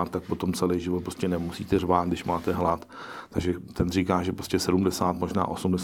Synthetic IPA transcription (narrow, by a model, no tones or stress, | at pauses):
t̪ːak̚po̞t̪o̞mt͡sɛlɛjʒɪvot̪pɾoscɛnɛmusḭːt̪ɛrvaːt̪dɪʃmaːt̪ɛɦlat̪ | t̪aɡʒɛt̪ɛnr̝iːkaːʒɛpɾoscɛsɛdumdɛsaːt̪mo̞ʒna̰ːʔo̞sumdɛs